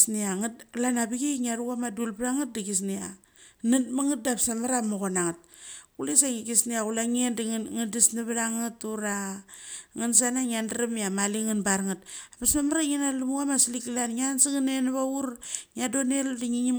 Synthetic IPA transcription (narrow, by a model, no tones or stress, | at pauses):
sniaŋlanabiɡeŋiaɾuɣamadulplaŋat̚diɡisnia | nɨtmaŋit̚dapsamaɾamoɣonaŋat̚kulesaŋiɡisniaɣulaŋendŋandisnaβalaŋɨtuɾa | ŋans̬anaŋiandaɾamiamaliŋanbaɾŋat̚apasmamaɾaŋinalumuɣamasilikilanŋansiŋanenaβauɾŋiadoneldiŋiŋi